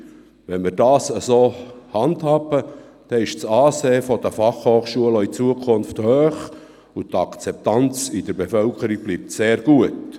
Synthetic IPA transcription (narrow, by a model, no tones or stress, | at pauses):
ʋɛnmiːɾdɑːsəsoːhɑndhɑːbə | d̥ɛɪʃt͡sɑːseːəfɔd̥əfɑχhoːχʃuələit͡suəkʰʊnfthøːχ | ut̪ɑkt͡sɛp̚t̪ɑnt͡sid̥əɾbefœlkəɾiɡ̥̚b̥lip̚tseːɾɡ̥uət